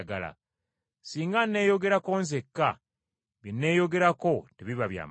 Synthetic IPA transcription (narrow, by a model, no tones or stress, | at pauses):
ɡala̰ | siːŋɡanːe̞ːjo̞ɡe̞ɾako̞ːnzekːa | βinːe̞ːjo̞ɡe̞ɾako̞teβiβaβja̰ːm